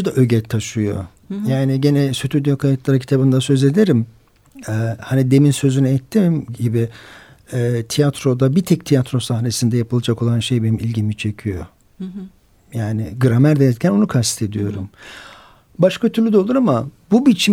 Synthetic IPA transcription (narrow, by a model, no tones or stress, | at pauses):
ud̪aʔø̞ɟɛt̪ʰːaʃɯjo̞̰ | jaːniɟenɛsyt̪ʰyd̪ijokʰajat̪lˠaɾacʰi̥t̪ʰabɯnd̪asø̞ze̞d̪eɾim | ɛhanid̪e̞minsø̞zynɛɛt̪ʰːimɟibi | ɛːt̪ʰijat̪ʰɾo̞d̪abit̪ʰɛc̚t̪ʰijat̪ɾo̞sahne̞sind̪ɛjapʰɯlˠad͡ʒako̞lˠanʃe̞jbenimilʲɟimit͡ʃʰe̞cʰijo̞ | jaːnɪɡɯɾamæɾd̪eɛɾcʰæno̞nukʰast̪t̪ʰe̞d̪ijo̞ɾum | baʃkʰat̪ʰyɾlʲyd̪ɛlˠuɾamabubit͡ʃʰi